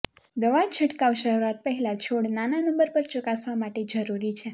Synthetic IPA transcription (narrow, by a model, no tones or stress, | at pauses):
d̪əʋat͡ʃʰəʈkaʋʃəɾuat̪̚pəɦɛlat͡ʃʰoɽnananəmbəɾpəɾt͡ʃʊkasʋamaʈed͡ʒəɾuɾit͡ʃʰe